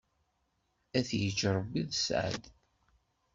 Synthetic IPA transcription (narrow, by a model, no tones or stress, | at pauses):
æθjəd͡ʒːɾˤəbiðsʕə̰d̪